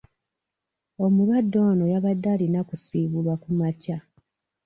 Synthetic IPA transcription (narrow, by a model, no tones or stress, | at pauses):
omulwadːo̞ːno̞jaβadːaːlinakusiːβulwakumaca